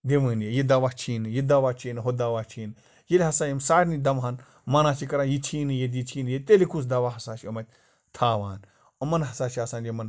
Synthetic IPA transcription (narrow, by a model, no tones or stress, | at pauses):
d̪emɨːnjejid̪ɐʋat͡ʃʰiːnɨjid̪ɐʋat͡ʃʰinɨɦod̪ɐʋat͡ʃʰiːnɨ | jelʲɦɐsaːjimsaːɾʲnid̪ɐmɦɐn | mɐnaːt͡ʃikɐɾanjit͡ʃʰiːnɨjet̪̬jit͡ʃʰiːnjet̪elikus̬d̪ɐʋaɦɐsaːt͡ʃiomɐt̪̚ʲ | t̪ʰaːʋaːn | omɐnɦɐsaːʃiaːsaːnjemɐn